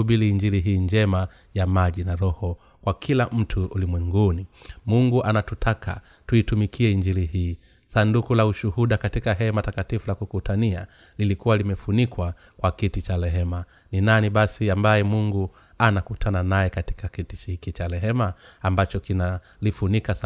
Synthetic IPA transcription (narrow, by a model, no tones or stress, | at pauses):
ɓiliːɲd͡ʒiliɦiːɲd͡ʒɛma | jamaʄinaɾɔhɔ | kwakʰilam̩tʰuulimwɛŋɡunimuŋɡuʔanatutʰakʰa̰ | tuitumikʰiɛiɲd͡ʒilihiː | sandukulauʃuhuɗakatikaɦɛmatakatifulakukutʰania̰ | lilikuwalimɛfunikwa | kwakitit͡ʃalɛɦɛma | ninaniɓasiambajɛmuŋɡu | anakutʰananajɛkati̥kakitit͡ʃhikit͡ʃalɛɦɛmaːmbat͡ʃɔkina | lifunika